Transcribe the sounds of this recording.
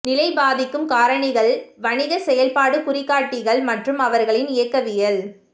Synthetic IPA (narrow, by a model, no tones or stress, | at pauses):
nɪlɐɪbaːðɪkːɯmkaːɾɐɳɪɣɐɭʋɐnɪɣɐsɛjɐlpaːɽɯkʊrɪkːaːʈːɪɣɐɭmɐʈrɯmɐʋɐɾɣɐɭɪnɪjɐkːɐʋɪjɐl